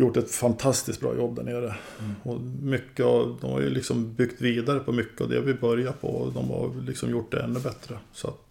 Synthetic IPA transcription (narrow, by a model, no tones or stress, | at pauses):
jʊʈːɛt̪fant̪ʰast̪ɪsk̪̚bɾɑ̰ːjʔɔbːd̪æɳeːɾə | ɔmʏkːəd̪ɔmha̰ɾjɵ̰lɪksɔmbʏɡt̪viːd̪aɾəpʰɔmʏkːəavd̪ɛ̰vɪbœɾjapʰɔd̪ɔmha̰ɾlɪksɔmjʊʈːd̪ɛɛnːɵbɛt̪ɾəsɔa̰t̪